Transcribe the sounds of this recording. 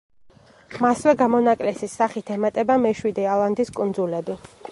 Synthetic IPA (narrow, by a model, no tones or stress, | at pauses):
maswɛɡamɔnakʼlɛsisaχit̪ʰɛmat̪ʼɛbamɛʃwid̪ɛalˠand̪iskʼund̪zulɛbi